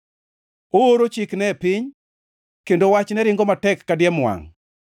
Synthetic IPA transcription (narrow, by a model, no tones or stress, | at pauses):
ooɾot͡ʃɪknɛpɪɲ | kendowat͡ʃnɛɾɪŋɡomatɛkːadjɛmwa̰ŋ